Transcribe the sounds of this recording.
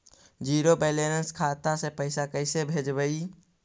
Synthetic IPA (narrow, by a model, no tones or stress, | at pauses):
d͡ʒiːɾobɛːlenəskʰaːt̪asepəɪsakəɪsebʱeːd͡ʒbəi